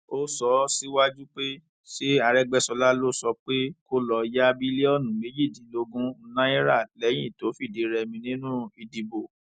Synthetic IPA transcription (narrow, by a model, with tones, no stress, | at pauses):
o˦sɔ˨˧˦si˦wa˦d͡ʒu˦k͡pe˦ | ʃe˦a˧ɾɛ˦ɡ͡bɛ˦sɔ˧la˦lo˦sɔ˧k͡pe˦ko˦lɔ˧ja˦bi˦le˦ɔ˦˨nũ˨me˨˦d͡ʒi˦˨dĩ˨˦lo˧ɡũ˦n̩˦nã˦i˦ɾa˦˨lɛ˨˦j̃ĩ˦˨to˨˦fi˦˨de˨˦ɾɛ˧mĩ˧nĩ˦nũ˦i˨di˧bo˨